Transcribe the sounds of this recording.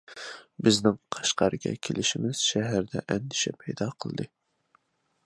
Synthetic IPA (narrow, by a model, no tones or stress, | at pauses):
bɪznɪŋqʰɑ̥ʃqɑɾɨɡʲɛ̰kʲʰelɪʃimɪz̥ʃɛɦæɾd̪ɛ̰ʔɛnd̪ɪʃɛpʰɛjd̪ɑqʰəlˠd̪ɨ